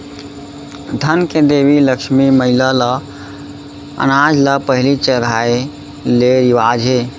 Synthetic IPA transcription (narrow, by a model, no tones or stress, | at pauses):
d̪ʱənked̪ebiləkʃmiməɦilalə | ə̰nad͡ʒləpəɦilit͡ʃəɾɦai | leɾiʋad͡ʒɦe